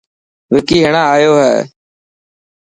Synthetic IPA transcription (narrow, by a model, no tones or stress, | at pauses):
ʋɪkiːɦɪɳãːaːjoːɦɛ̰ː